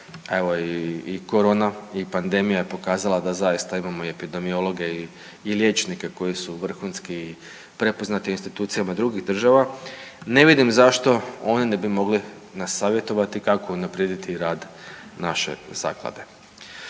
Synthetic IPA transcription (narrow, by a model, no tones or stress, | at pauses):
e̞ʋo̞iːko̞ɾo̞ːnaipand̪e̞mijaje̞po̞kaːzalˠad̪azajist̪aimamo̞ie̞pid̪e̞mio̞lˠo̞ɡe̞ː | lʲje̞ːt͡ʃnikeko̞jisuʋr̩xuːnskii | pɾe̞po̞znat̪iinst̪it̪uːt̪sijamad̪ɾuɡiɣd̪r̩ʒaʋane̞ʋid̪imzaʃt̪o̞o̞nine̞bimo̞ɡli | nasːaːʋje̞t̪o̞ʋat̪ikakounapɾjed̪it̪iɾaːd̪naʃe̞̰z̥a̰ːklˠa̰d̪e̞